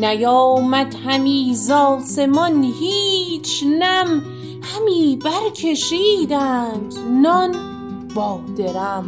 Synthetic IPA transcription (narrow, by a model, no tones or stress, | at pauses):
næjɒːmæd̪hæmiːzɒːse̞mɒnhiːt͡ʃʰnæm | hæmiːbæɾkʰe̞ʃiːd̪æːnd̪̥nɒn | bɒːd̪e̞ɾæm